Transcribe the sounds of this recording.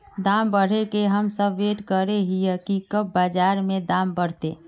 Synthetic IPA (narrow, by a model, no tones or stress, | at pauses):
d̪ambəɽ̤ekeɦəmsəbːeʈkəɾeɦijəkikəb̚bad͡ʒaɾmed̪ambəɽ̤t̪e